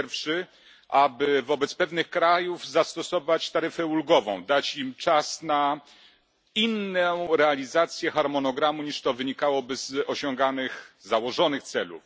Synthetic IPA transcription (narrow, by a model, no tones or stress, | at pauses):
ɛɾfʂɘ | ʔabɘvɔbɛt̪spɛvnɘxkɾajuvzast̪ɔsɔvat͡ɕt̪aɾɘfɛulɡɔvɔ̃w̃d̪at͡ɕimt͡ʂasna | inːɛ̃ɾɛalʲizat̪sʲjɛxaɾmɔnɔɡɾamuɲiʂt̪ɔvɘɲikawɔbɘz̥ɔɕɔŋɡanɘxzawɔʐɔnɘxt̪sɛlṵf